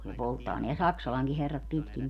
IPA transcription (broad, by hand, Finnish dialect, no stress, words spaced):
ne poltːɑː neæ sɑksɑlɑŋki herːɑt pitkin